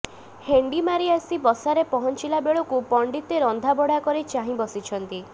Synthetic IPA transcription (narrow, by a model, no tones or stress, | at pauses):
heɳɖimaɾiasibɔsaɾepɔɦɔnt͡ʃilabeɭɔkupɔɳɖit̪eɾɔnd̪ʱabɔɽakɔɾit͡ʃaɦĩbɔsit͡ʃʰɔnt̪i